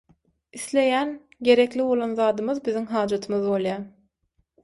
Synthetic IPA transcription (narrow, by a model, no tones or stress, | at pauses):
iθle̞jæn | ɡe̞ɾe̞kliβo̞lˠonðɑːd̪ɯmɯðbiðiŋɦɑːd͡ʒɑt̪ʰɯmɯðbo̞lˠjɑː